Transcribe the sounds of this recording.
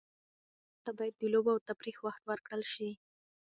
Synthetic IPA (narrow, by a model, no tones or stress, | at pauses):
t̪abɑjad̪̚ːəloboawt̪apɾixwaxt̪wəɾkɽəlʃi